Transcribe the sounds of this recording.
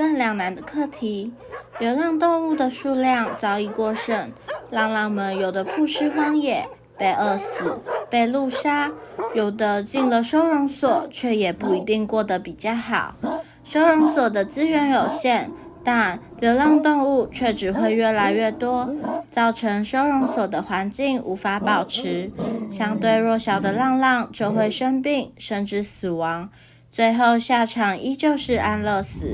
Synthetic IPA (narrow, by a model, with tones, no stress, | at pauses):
fə˥˩nljɑ˨˩ŋna˧˥nd̪ə˧kʰɤ˥˩t̪ʰi˧˥ | ljo˧˥ʊlɑ˥˧ŋt̪ʊ˥˧ŋu˥˩d̪ə˩ʂu˥˧ljɑ˥˩ŋt͡sɑ˥ʊi˥˧kwɔ˥˧ʂə˥˩nlɑ˥˧ŋlɑ˥˩ŋmə˧˥njo˨˩ʊd̪ə˦pʰu˥˧ʂɻ̩˥fɑ˥ŋjɛ˨˩ | pe˥˩ɪə˧˥˩sɹ̩˨˩pe˥˩ɪlu˥˩ʂa˥jo˨˩ʊd̪ə˦t͡ɕi˥˩ŋlə˨ʂo˥ʊɻʊ˧˥ŋswɔ˨˩˦t͡ɕʰɥɛ˥˩jɛ˨˩pu˥˩i˧˥t̪i˥˧ŋkwɔ˥˩d̪ə˩pi˨˩t͡ɕjɑ˥˩ʊxɑ˨˩˦ʊ | ʂo˥ʊɻʊ˧˥ŋswɔ˨˩d̪ə˦t͡sɹ̩˥ɥɛ˧˥njo˨˩ʊɕjɛ˥˩n | t̪a˥˩nljo˧˥ʊlɑ˥˧ŋt̪ʊ˥˧ŋu˥˧t͡ɕʰɥɛ˥˩ʈ͡ʂɻ̩˨˩xwe˥˧ɪɥɛ˥˩la˧˥ɪɥɛ˥˩t̪wɔ˥t͡sɑ˥˩ʊʈ͡ʂʰɤ˧˥ŋʂo˥ʊɻʊ˧˥ŋswɔ˨˩d̪ə˦xwa˧˥nt͡ɕi˥˩ŋu˧˥fa˧˥pɑ˨˩ʊʈ͡ʂʰɻ̩˧˥ɕjɑ˥ŋt̪we˥˧ɪɻwɔ˥˩ɕjɑ˨˩ʊd̪ə˦lɑ˥˧ŋlɑ˥˧ŋt͡ɕjo˥˧ʊxwe˥˩ɪʂə˥ŋpi˥˩ŋʂə˥˧nʈ͡ʂɻ̩˥˩sɹ̩˨˩wɑ˧˥ŋ | t͡swe˥˧ɪxo˥˧ʊɕja˥˩ʈ͡ʂʰɑ˨˩ŋi˥t͡ɕjo˥˧ʊʂɻ̩˥˧ʔa˥˧nlɤ˥˩sɹ̩˨˩˦